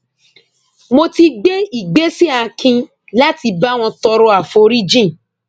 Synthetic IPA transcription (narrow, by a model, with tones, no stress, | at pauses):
mo˧ti˧ɡ͡be˦i˨ɡ͡be˦si˦a˧˨kʰĩ˧ | la˦ti˧ba˦w̃ɔ̃˧tɔ˧ɾo˧˦a˨fo˨˦ɾi˦d͡ʒĩ˦˨